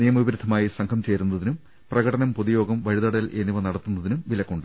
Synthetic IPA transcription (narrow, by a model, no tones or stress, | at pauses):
nijɐmɐʋibɐɾud̪ʱɐmaːjisɐŋkʰɐmt͡ɕeːɾunːɐðinum | prɐɣɐʈɐnɐmpoðijo̞ːɡɐmʋɐɻiðɐɽɐjɐlʔe̞nːiʋɐnɐɽɐt̪ːunːɐðinumʋilɐkːoɳɖɨ